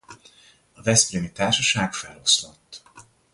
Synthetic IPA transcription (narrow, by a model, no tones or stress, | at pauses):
ɒvɛspreːnit̪aːrʃɒʃaːkfɛlo̞slot̪ː